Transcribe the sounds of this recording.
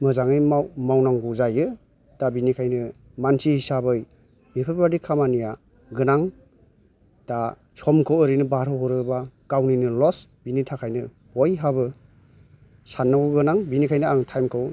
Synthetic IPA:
mɯzaŋɯjmamawnaŋɡuzajɯ | dabinikʰajnɯ | mansʰihisabɯj | bipʰɯbadikʰamanija | ɡɯnaŋ | d̥a | sʰɔmkʰɯwɯɾinɯbaɾɯɦɔɾɯbaɡ̥awninɯlɔsb̥initʰakʰajnɯ | bɔjɦabɯ | sanːawɡɯnaŋbinikʰajnɯaŋtʰajmkʰɯw

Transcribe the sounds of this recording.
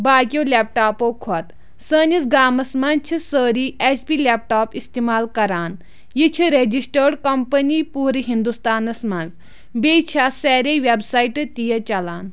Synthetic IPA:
baːkʲioːlʲeːp̚ʈaːpoːkʰot̪ | səːnizɡaːmɐsmɐnt͡ʃʰisəːɾiːʔet͡ʃpiːlʲep̚ʈaːpist̪emaːlkɐɾaːn | jit͡ʃʰiɾed͡ʒisʈəːɾkɐmpɐniːpuːɾiɦind̪ust̪aːnɐsmɐnz | beːt͡ʃʰasɛːɾeʋebsaːiʈɨt̪ijɐt͡ʃɐlaːn

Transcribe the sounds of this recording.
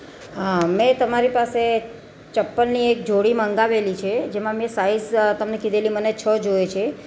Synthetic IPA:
əmɛ̃t̪əmaɾipase | t͡ʃəpːənːiek̚d͡ʒoɽimə̃ŋɡaʋelit͡ʃʰed͡ʒemãmẽsaizt̪əmnekid̪ʱelimənet͡ʃʰəd͡ʒoet͡ʃʰe

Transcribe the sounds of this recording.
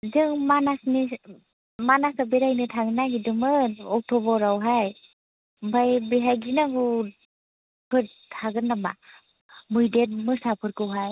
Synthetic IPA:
zɯŋmanasni | manasabeɾajnɯtʰaɡɯnaɡidɯmɯɔk̚tʰɔbɔɾawɦaj | bʱajbeɦajɡinaɡu | pʰɯɾ | tʰaɡɯnːama̰ | mujdet̚mɯsapʰɯɾkɯwɦaj

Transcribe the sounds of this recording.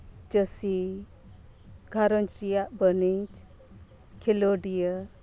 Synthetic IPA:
d͡ʒəsi | ɡʱaɾɔnd͡ʒɾijaʔbənit͡ʃ | kʰeloɖijə

